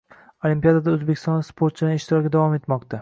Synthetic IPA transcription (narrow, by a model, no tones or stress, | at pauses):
olimpijad̪ad̪aɵzbekʲʰɪst̪ɒ̃nspʰoɾt̪̚t͡ʃʰɪd̪aneʃt̪ʰɪɾɒɾɡʲad̪avɒme̞t̪mɒqt̪ʰa